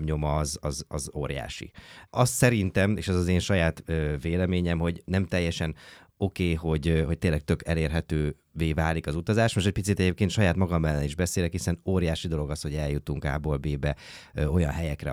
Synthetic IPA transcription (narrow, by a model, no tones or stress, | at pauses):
mɲo̞mɒzɒzɒzo̰ːɾja̰ːʃḭɒssɛɾint̪ɛmeːʃɛzɒzeːnʃɒjaːt̪øveːlɛmeːɲɛmɦo̞ɟnɛmt̪ɛjːɛʃɛn | o̞keːɦo̞ɟɦo̞c̚t̪eːnlːɛk̚t̪ø̞kɛleːrɦɛt̪øː | veːvaːlikɒzut̪ɒzaːʃmoʃtɛc̚pit̪sit̪ɛɟeːp̚keːnt̪ʃɒjaːt̪mɒɡɒmːɛlːɛniʒbɛseːlɛkhisɛnoːɾjaːʃid̪o̞lo̞ɡɒsho̞ɟɛljut̪uŋka̰ːboːlbeːbɛo̞jɒ̰nɦɛjɛkrɛ̰